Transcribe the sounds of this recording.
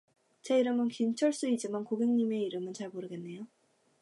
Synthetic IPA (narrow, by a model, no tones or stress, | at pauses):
t͡ɕe̞iɾɯmɯnkint͡ɕʰʌɭs͈uid͡ʑimankoɡeŋɲime̞iɾɯmɯnt͡ɕaɭmoɾɯɡe̞nːe̞jo